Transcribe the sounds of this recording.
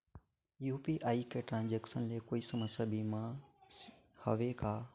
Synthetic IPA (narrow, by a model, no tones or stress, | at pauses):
juːpiːʔaːikeːʈɾãːnd͡ʒeːksənleːkoːisɐməsjaːbĩːmã | hɐ̰ʋekaː